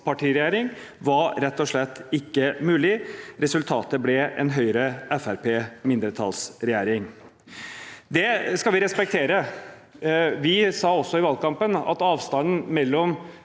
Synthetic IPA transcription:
pʰɑʈʰiːɾɛjæːɾɪŋ | ʋɑɾɾɛt̪ːɔʂɭɛt̪ːɪkːəmʉːlɪɾɛsʉlt̪ʰɑːt̪əblɛɛ̰nɦœʏɾəɛfæɾpeːmɪnd̪ɾət̪ʰɑ̰ːlsɾɛjæːɾɪŋ | d̪ɛskɑlʋɪɾɛspɛk̚t̪ʰeːɾə | ʋɪsɑːɔsːɔɪʋɑlkɑmpənɑ̰t̪ɑːʋst̪ɑnn̩mɛlːɔm

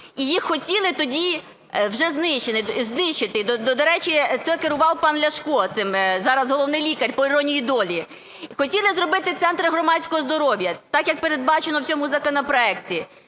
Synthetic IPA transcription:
ijixxːɔtʲilˠɪt̪ɔdʲi | wʒɛznɪʃt͡ʃenɪznɪʃt͡ʃɪt̪ɪd̪d̪ɔd̪ɐɾɛt͡ʃʲit̪sɛkeɾʊʋɑwpɑnlʲɐʃkɔt̪sɪmzɑɾɐzɦɔlˠɔwnɪjlʲikɐrʲpɔiɾɔnʲijid̪ɔlʲi | xɔtʲilˠɪzrɔbɪt̪ɪt̪sɛnt̪ɾɪɦrɔmɑdʲsʲkɔɦɔzd̪ɔɾɔʋʲjɐt̪ɑkjɐk̚pe̞ɾed̪̚bɑt͡ʃenɔwt͡sʲɔmʊzɐkɔnɔpɾɔɛktʲi

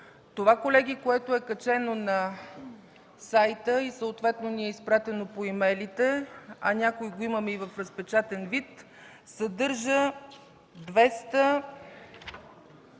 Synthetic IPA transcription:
t̪ovakolɛɡʲikoɛt̪oɛkɐt͡ʃɛnonɐ | sajt̪əisəot̪vɛt̪noniɛispɾat̪ɛnopoimɛlit̪ɛɐ̰nʲakoiɡoiməmɛivəfɾəspɛt͡ʃat̪ɛnvit̪ | sɐd̪ɤɾʒə | d̪vɛst̪ə

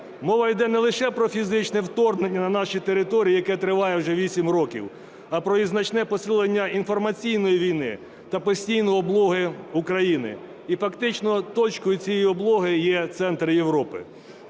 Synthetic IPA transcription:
mɔʋɐjd̪ɛnɛlˠɪʃɛpɾɔfʲizɪt͡ʃnɛwt̪ɔrnenʲːɐnɐnɑʃit̪eɾɪt̪ɔɾʲijːjɐkɛt̪ɾɪʋɑjɛwʒɛʋʲisʲimrɔkʲḭw | ɐpɾɔjiznɐt͡ʃnɛpɔsɪlˠenʲːɐinfɔrmɐt͡sʲijnɔjiʋʲijnɪ | t̪ɐpɔsʲtʲijnɔjɔblˠɔɦɪukɾɐjinɪ̰ | ifɐkt̪ɪt͡ʃnɔt̪ɔt͡ʃkɔjʊt͡sʲijɛjiɔblˠɔɦɪjɛt̪sɛnt̪ɾɪjewɾɔpɪ̰

